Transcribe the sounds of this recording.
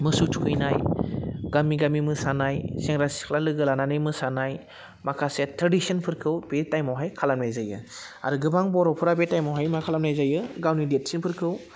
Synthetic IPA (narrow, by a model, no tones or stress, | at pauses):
mɯsutʰukʰɯjnajɡamiɡamimɯsanajseŋɾasi̥kʰlalɯɡɯlananɯjmɯsanaj | makʰasetʰɾadisɯnpʰɯɾkʰɯwb̥etajmawɦajkʰalamnajzajɯ̰a̰ɾɯɡɯbaŋbɔɾɔpʰɯɾabetajmawɦajmakʰalamnajzajɯɡawnidet̚sinpʰɯɾkʰɯw